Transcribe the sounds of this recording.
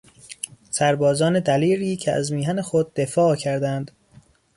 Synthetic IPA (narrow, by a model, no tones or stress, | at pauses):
sæɾbɒːzɒːne̞d̪æliːɾiːcʰeæ̰zmiːɦæne̞xod̪̚ːefɒːcʰæɾd̪ænd̪̥